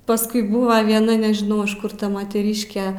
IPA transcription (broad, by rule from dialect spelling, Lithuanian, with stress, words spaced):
pɐsˈkʊɪ ˈbuːʋɐ ʋʲiɛˈnɐ nʲɛʒʲɪˈnɐʊ ɪʃ ˈkʊr ˈtɐ moːtʲɛˈrʲiːʃʲkʲɛ